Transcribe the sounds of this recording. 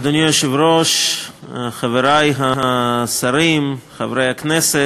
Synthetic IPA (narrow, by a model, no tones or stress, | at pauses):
d̪onjɔʃevɾɔʃ | χaveɾajɦaɦasaɾimχavɾejhaknɛsɛ